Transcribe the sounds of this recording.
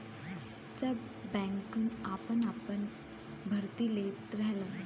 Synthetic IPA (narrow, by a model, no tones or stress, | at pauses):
səbː | ɛ̃ŋkunapənapən | bʱəɾt̪ileːt̪ɾɛɦlə